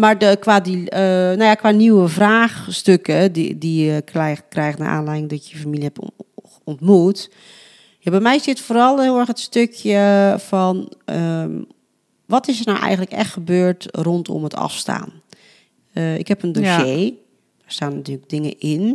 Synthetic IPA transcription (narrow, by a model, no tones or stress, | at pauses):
mardəkʋadiənojakʋaniwəvraːxstøkəḭdikrɛkrɛjxəna̰ʔa̰ːnlɛjɪŋdɔtjəəfamiljəɛp | ɔntmut | jabɛjmɛjsɪtfoːɾɔlˠhɪːlˠɛrxətstøkʰjəfɔnə | ʋɔtɪsərnawʔɛ̰jɣən̩tləkɛ̰xtxəbøːɹtrontʰɔ̰mətʰɔ̰fsta̰ːn | ɪ̰khɛpəndoʃeː | daɹstaːnatyːələɡ̚dɪŋə̰ʔɪn